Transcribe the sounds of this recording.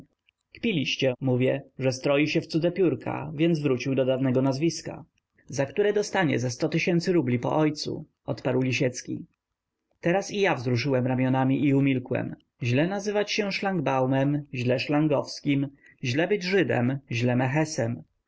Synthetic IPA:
kpʲilʲiɕt͡ɕɛmuvʲjɛʐɛst̪ɾɔjiɕɛft̪sud̪ɛpʲjuɾkʰa̰vʲjɛnd̪zvɾut͡ɕiwd̪ɔd̪avnɛɡɔnazvʲiska̰ | zakt̪uɾɛd̪ɔst̪aɲɛ̰zɛst̪ɔt̪ɘɕɛnt̪sɘɾublʲipɔ̰ʔɔjt̪sṵ | ɔt̪paɾwlʲiɕɛt̪skʲḭ | t̪ɛɾasijavzɾuʂɘwɛmɾamʲjɔnamʲiʔiumʲilkwɛ̰m | ʑlɛnazɘvat͡ɕɕɛʂlaŋɡbawmɛmʑlɛʂlaŋɡɔfskʲim | ʑlɛbɘd͡ʑʐɘd̪ɛ̰mʑlɛmɛxɛsɛm

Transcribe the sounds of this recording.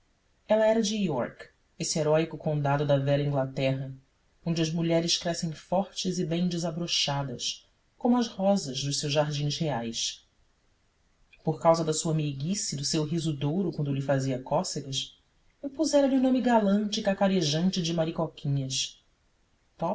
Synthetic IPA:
ɛlɐɛɾɐd͡ʒɪiɔ̰ɾk | esɪeɾɔjkʊkõnd̪ad̪ʊd̪ɐvɛɾɐĩŋɡlat̪ɛɦɐ | õnd͡ʒɪɐʒmuʎɛɾɪʃkɾɛsẽj̃fɔɾt͡ʃɪzɪbẽj̃d͡ʒɪzabɾoʃad̪ɐs | kõmʊɐzhɔzɐzd̪ʊʃsewzʒaɾd͡ʒĩz̥heajs | poɾkawzɐd̪ɐsuɐmeɡisid̪ʊsewɦizʊd̪owɾʊkwɐ̃nd̪ʊlɪfaziɐkɔseɡɐs | ĩpuzɛɾɐlɪunõmɪɡalɐ̃nt͡ʃɪkakaɾeʒɐ̃nt͡ʃɪd͡ʒɪmaɾikokʰʲĩɲɐs | t̪ɔ

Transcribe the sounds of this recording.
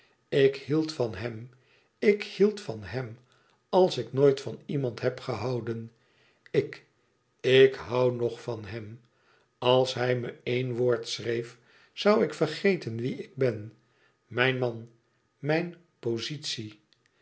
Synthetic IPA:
ɪkhilˠtfɑnɦɛm | ɪkhilˠtfɑnɦɛm | ɑlˠsɪknoːjtfɑnimɑntɦɛpχəɦɑwdən | ɪk | ɪkɦɑwnɔχfɑnɦɛm | ɑlˠsɦɛjməejnʋoːɹtsrejf | sʌwɪkfərχejtənʋiɪɡ̚bɛn | mɛjnmɑn | mɛjn | pozitsi

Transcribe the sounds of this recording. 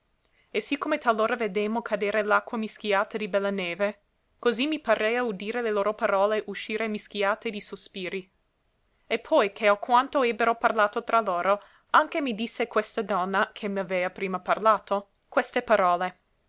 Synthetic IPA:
esikːomet̪alːoːɾaved̪emokʰad̪eːɾelakːwamisk̟jaːt̪ad̪ibɛlːaneːve | kozimipaɾʔɛjaud̪iːɾeleloːɾopaɾɔːleʔuʃːiːɾemisk̟jaːt̪ed̪isospiːɾi | epʰːɔjkʰeakwant̪oɛbːeɾoparlaːt̪ot̪ɾʔaloːɾo | aŋkemid̪isːekwest̪ad̪ɔnːakʰemavɛːapɾiːmaparlaːt̪o | kwest̪epaɾɔːle

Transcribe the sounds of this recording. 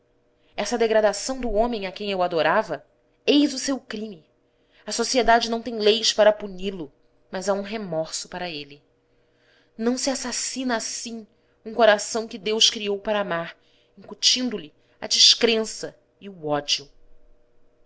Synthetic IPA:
ɛsɐd̪eɡɾad̪asɐ̃w̃d̪ʊõmẽj̃akẽj̃ewad̪oɾavɐ | ejzʊsewkɾĩmi | ɐsosied̪ad͡ʒɪnɐ̃w̃t̪ẽj̃lejspaɾɐpunilʊ | mazaũɦemɔɾsʊpaɾɐelɪ | nɐ̃w̃siasasinɐːsĩ | ũŋkoɾasɐ̃w̃kɪd̪ewskɾiowpaɾɐamaɾ | ĩkut͡ʃĩnd̪ʊlɪ | ɐ̰d͡ʒiʃkɾẽsɐ | iʊɔd͡ʒiʊ

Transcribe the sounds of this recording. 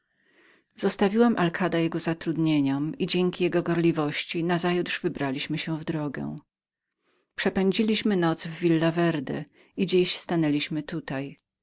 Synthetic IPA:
z̥ɔst̪avʲiwɛmʔalkʰad̪ajɛɡɔzat̪ɾud̪ɲeɲɔmid͡ʑɛŋkʲijɛɡɔɡɔɾlʲivɔɕt͡ɕinazajut̪ʐvɘbɾalʲiɕmɘɕɛvd̪ɾɔɡɛ̰̃ | pʂɛpɛɲd͡ʑilʲiɕmɘnɔd̪zvːʲilːavɛɾd̪ɛ | id͡ʑiɕst̪anɛlʲiɕmɘt̪ut̪aj

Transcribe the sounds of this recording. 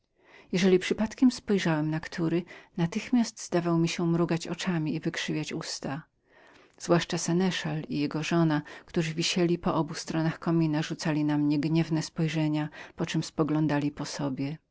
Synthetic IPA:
jɛʐɛlʲipʂɘpat̪kʲɛmspɔjʐawɛmnakt̪ʰuɾɘnat̪ɘxmʲast̪z̥d̪avawmʲiɕɛmɾuɡat͡ɕɔ̰t͡ʂamʲiːvɘkʂɘvʲjat͡ɕust̪a | z̥vwaʂt͡ʂasɛnɛʂalijɛɡɔʐɔnakt̪uʐɘvʲiɕɛlʲipɔʔɔbust̪ɾɔnaxkɔmʲinaʐut̪salʲinamɲɛɡɲɛvnɛspɔjʐɛɲapɔt͡ʂɛmspɔɡlɔ̃nd̪alʲipɔsɔbʲjɛ

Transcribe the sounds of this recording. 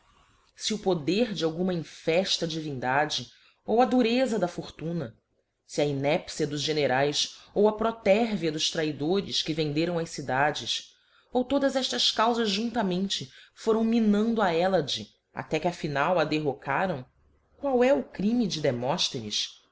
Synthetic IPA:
sɪʊpod̪eɾd͡ʒɪawɡũmɐĩfɛʃt̪ɐd͡ʒivĩnd̪ad͡ʒɪ | owɐd̪uɾezɐd̪ɐfoɾt̪ũnɐ | sɪɐinɛpsiɐd̪ʊzʒeneɾajsowɐpɾot̪ɛɾviɐd̪ʊʃt̪ɾaid̪oɾɪskɪvẽnd̪eɾɐ̃w̃ɐsid̪ad͡ʒɪs | owt̪od̪ɐzɛʃt̪ɐskawzɐzʒũnt̪ɐmẽnt͡ʃɪfoɾɐ̃w̃minɐ̃nd̪ʊaɛlɐd͡ʒɪ | a̰t̪ɛkɪɐfinawɐd̪eɦokʰaɾɐ̃w̃ | kwawɛʊkɾĩmid͡ʒɪd̪emɔʃt̪enḭs

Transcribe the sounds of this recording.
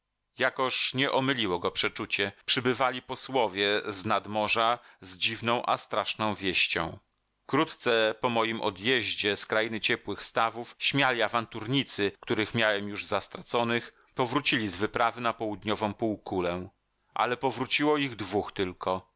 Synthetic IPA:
jakɔʂɲɛʔɔmɘlʲiwɔɡɔpʂɛt͡ʂut͡ɕɛpʂɘbɘvalʲipɔswɔvʲjɛznad̪mɔʐazd͡ʑivnɔ̃w̃ʔa̰st̪ɾaʂnɔ̃w̃vʲjɛɕt͡ɕɔ̰̃w̃ | kɾut̪t̪sɛpɔmɔjimʔɔ̰d̪jɛʑd͡ʑɛskɾajinɘt͡ɕɛpwɘxst̪avufɕmʲjalʲiavant̪uɾɲit̪sɘkt̪uɾɘxmʲjawɛmjuʐzast̪ɾat̪sɔnɘx | pɔvɾut͡ɕilʲizvɘpɾavɘnapɔwud̪ɲɔvɔ̃w̃puwkulɛ | ʔa̰lɛpɔvɾut͡ɕiwɔiɣd̪vuxt̪ɘlkʰɔ

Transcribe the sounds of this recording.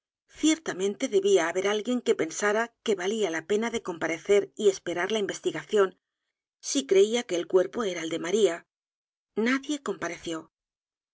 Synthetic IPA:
θje̞ɾt̪amẽ̞nt̪e̞ðe̞βiaːβe̞ɾalɣje̞ŋke̞pe̞nsaɾake̞βalialape̞naðe̞ko̞mpaɾe̞θe̞ɾie̞spe̞ɾaɾlaimbe̞st̪iɣaθjo̞n | sikɾe̞iake̞ːlkwe̞ɾpo̞e̞ɾaeld̪e̞maɾia | naðje̞ko̞mpaɾe̞θjo̞

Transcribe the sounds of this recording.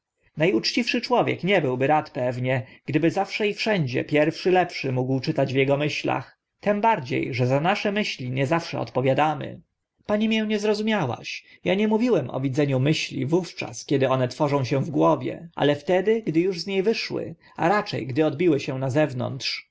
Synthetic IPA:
najut͡ʂt͡ɕifʂɘt͡ʂwɔvʲjɛ̰kɲɛbɘwbɘɾat̪pɛvɲɛɡ̥d̪ɘbɘzafʂɛifʂɛɲd͡ʑɛ̰pʲjɛɾfʂɘlɛpʂɘmuɡwt͡ʂɘt̪ad͡ʑvjɛɡɔmɘɕla̰x | t̪ɛmbaɾd͡ʑḛjʐɛzanaʂɛmɘɕlʲiɲɛzafʂɛ̰ɔ̰t̪pɔvʲjad̪amɘ̰ | paɲimʲjɛw̃ɲɛzɾɔzumʲjawa̰ɕ | jaɲɛmuvʲiwɛmʔɔ̰vʲid̪zɛɲumɘɕlʲḭvuft͡ʂa̰skʲɛd̪ɘɔnɛt̪fɔʐɔ̃w̃ɕɛ̃w̃vɡwɔvʲjɛ̰ʔa̰lɛft̪ɛd̪ɘɡd̪ɘjuʐzɲejvɘʂwɘ̰ | a̰ɾat͡ʂɛ̰jɡd̪ɘɔd̪̚bʲiwɘɕɛw̃nazɛvnɔ̰nt̪ʂ

